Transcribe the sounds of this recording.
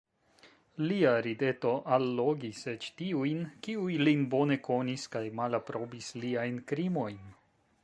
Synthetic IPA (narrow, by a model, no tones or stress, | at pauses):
liaɾide̞to̞ʔalːo̞ɡiset͡ʃtiujnkiujlinbo̞ne̞ko̞niskajmalapɾo̞bisliajnkɾimo̞jn